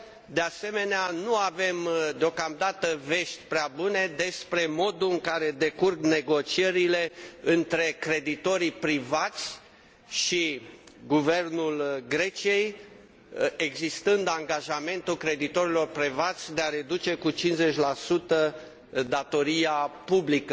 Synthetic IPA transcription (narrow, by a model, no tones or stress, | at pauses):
d̪ease̞me̞neanuave̞md̪eo̞kamd̪at̪əve̞ʃt̪ʲpɾeabune̞d̪e̞spɾe̞mo̞d̪uɨŋkaɾe̞d̪e̞kurɡne̞ɡo̞t͡ʃie̞ɾile̞ɨnt̪ɾe̞kɾe̞d̪it̪o̞ɾipɾivat̪sʲ | ʃiɡuve̞rnulɡɾe̞t͡ʃie̞j | eɡzist̪ɨnd̪aŋɡaʒame̞nt̪ulkɾe̞d̪it̪o̞ɾilo̞rpɾivat̪sʲd̪e̞aɾe̞d̪ut͡ʃe̞kut͡ʃinze̞t͡ʃʲlasut̪ə | d̪at̪o̞ɾiapublikə